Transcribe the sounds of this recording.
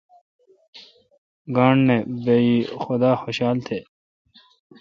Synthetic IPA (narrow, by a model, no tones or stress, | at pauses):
ɡaːɳnebeːjiːxʊd̪aːxoɕaːlt̪ʰeː